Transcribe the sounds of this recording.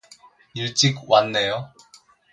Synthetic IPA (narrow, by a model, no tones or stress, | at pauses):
iɭt͡ɕ͈ik̚wanːejo